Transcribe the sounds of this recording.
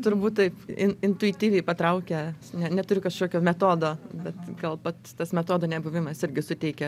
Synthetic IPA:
t̪ʊɾbuːt̪t̪ɐɪpɪnɪnt̪ʊɪt̪ʲiːʋʲɛɪpɐt̪ɾɐʊkʲɛnʲɛnʲɛt̪ʊɾʲʊkɐʃkoːkʲoːmʲɛt̪oːd̪oːbʲɛt̪ɡɐlˠpɐt̪t̪ɐsmʲɛt̪oːd̪oːnʲɛbʊʋʲɪmɐsɪɾʲɡʲɪsʊt̪ʲɛɪkʲɛ

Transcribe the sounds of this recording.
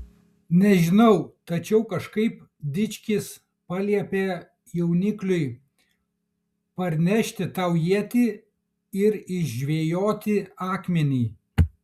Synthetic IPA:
nʲɛʒʲɪnɐʊt̪ɐt͡ʃʲɛʊkɐʃkɐɪp̚ | d̪ʲɪt͡ʃʲkʲɪs | pɑːlʲiɛpʲeː | jɛʊnʲɪklʲʊɪ | pɐɾʲnʲɛʃʲt̪ʲɪt̪ɐʊjiɛt̪ʲiː | ɪɾɪʒʒʲʋʲeːjoːt̪ʲɪɑːkmʲɛnʲiː

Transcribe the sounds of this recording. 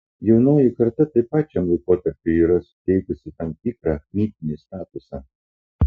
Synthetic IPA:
jɛʊnoːjɪkɐɾt̪ɐt̪ɐɪpɑːt͡ʃʲɛmlˠɐɪkoːt̪ɐɾʲpʲʊiːɾɐsʊ̥t̪ʲɛɪkʊsʲɪt̪ɐmt̪ʲiːkɾɑmʲiːt̪ʲɪnʲɪst̪ɑːt̪ʊsɑː

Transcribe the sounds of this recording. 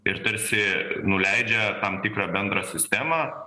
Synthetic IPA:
ɪɾt̪ɐɾʲsʲɪnʊlʲɛɪd͡ʒʲɛt̪ɐmt̪ʲɪkɾɑːbʲɛnd̪ɾɑsʲɪsʲt̪ʲæːmɑ

